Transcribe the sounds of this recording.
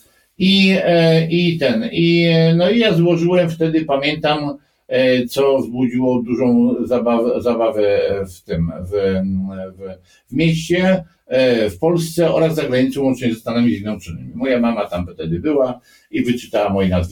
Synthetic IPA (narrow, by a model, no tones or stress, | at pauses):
i | it̪ɛninɔijazwɔʐɘwɛmft̪ɛd̪ɘpamʲjɛnt̪am | t̪sɔzbud͡ʑiwɔd̪uʐɔ̃w̃zabavzabavɛft̪ɘmv | v | vmʲjeɕt͡ɕɛ | fpɔlst̪sɛɔ̰ɾazːaɡɾaɲit̪sɛwɔnt͡ʂɲɛzɛst̪anamʲizʲɛɡ̪nɛnt͡ʂɨnɘ̰mʲimɔjamamat̪amft̪ɛd̪ɘbɘwa | ivɘt͡ʂɘ̥t̪awamɔjinaz